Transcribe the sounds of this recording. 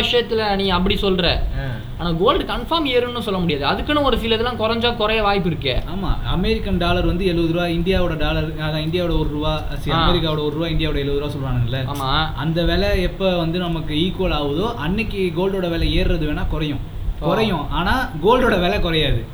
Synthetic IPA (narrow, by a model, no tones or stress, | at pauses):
ɪʂɐjɐt̪ːɪlɐnĩːɐpːɐɽisɔlɾɛ̰̃ː | aːnaːɡoːlɖkɐɳfaːmeːɾɯnnːɯsɔlːɐmʊɽɪjaːðɯɐðɯkːɯnʊ̃ɔɾɯfiːlɐðlːãːkʊɾɐɲd͡ʒaːkʊɾɐjɐʋaːjp̬ːɪɾɯkːḛːaːma̰ːɐ̰mɛːɾɪkːɐnɖaːlɐɾʋɐnd̪ɯɛɭɯʋɐðɯɾɯʋaːɪnd̪ɪjaːʋɯɽɐɖaːlɐɾ | ɐðãːɪnd̪ɪjaːʋɪɽɐɔɾɯɾʊʋaː | sɪɐmeɾɪk̬ːaːʋɯɽɐɔɾɯɾʋaːɪnd̪ɪjaːʋɯɽɐɛɭɯʋɐðɯɾɯʋaːsɔlːʋaːnɯŋɪlːɐaːmaːɐnd̪ɐʋeːlɛɛpːoːʋɐnd̪ɯnɐmɐkːɯiːkːoːlaːʋɐðoːʔɐnːɛkːɯɡoːlɖoːɽɐʋeːlɛeːɾɾɐðɯʋeːnːaːkʊɾɐjʊ̃ | kkʊɾɐjʊ̃ʔaːnaːɡoːlɖoːɽɐʋeːlɛkʊɾɐjaːðɯ